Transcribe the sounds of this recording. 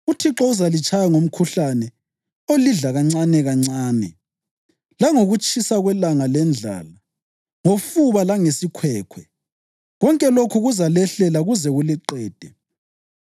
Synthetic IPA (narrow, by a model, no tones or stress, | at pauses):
utʰiǁɔuzalit͡ʃʼʰajaŋom̩kʰuɬanɛ | oliɮaɣaŋ͡ǀanɛɣaŋ͡ǀaːnɛ | laŋoɣut͡ʃʼʰisaɣwɛlaŋalɛnd͡ɮʱa̰ːla | ŋofuβalaŋesikʰwɛːkʰwɛ | ɣɔŋkʼɛlokʰuɣuzalɛɬɛlaɣuzɛɣuliǃɛːd̥ʱɛ